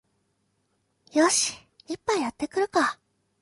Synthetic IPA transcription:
joɕi̥ | ipːajat̪ːe̞kɯ̟ɾɯ̟ka

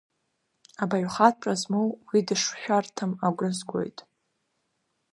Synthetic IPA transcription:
abaɥʷχat̚ʰʈ͡ʂʼazmowwidɨʂħʷᶣartʰɨmaɡʷɨzɡʷʼo̞̰jtʼ

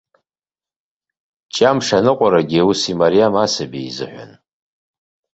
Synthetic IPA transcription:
t͡ʃʼamʂanɨqʷʼaɾaɡʲiusimaɾijamasabḭizɨ̰ħʷᶣa̰n

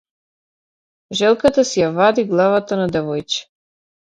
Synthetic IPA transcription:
ʒɛlˠkat̪asɛjavad̪iɡlˠavat̪anad̪ɛvɔjt͡ʃɛ̥

